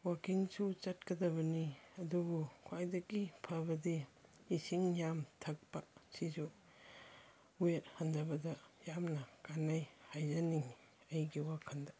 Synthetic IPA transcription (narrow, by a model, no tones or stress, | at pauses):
wakiŋsut͡ʃɐt̚kɐdɐβɐniɐduɡukʰwajdɐɡipʰɐbɐdiː | siŋjamtʰɐk̚pɐsizu | uet̚hɐndɐbɐdɐjamnɐkanajhajzɐniŋ | ɐjɡiwakʰɐndɐ